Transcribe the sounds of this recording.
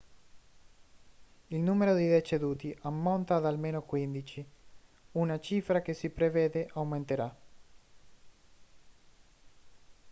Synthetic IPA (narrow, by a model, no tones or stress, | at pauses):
ilnuːmeɾod̪id̪et͡ʃed̪uːt̪iʔamːont̪ad̪almeːnokwind̪it͡ʃi | unat͡ʃiːfɾak̟esipɾeveːd̪eʔawment̪eɾa